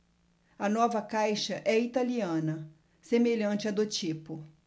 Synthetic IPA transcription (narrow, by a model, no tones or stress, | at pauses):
ɐnɔvɐkajʃɐʔɛit̪aliɐ̃nɐ | semeʎɐ̃nt͡ʃɪɐd̪ʊt͡ʃipʊ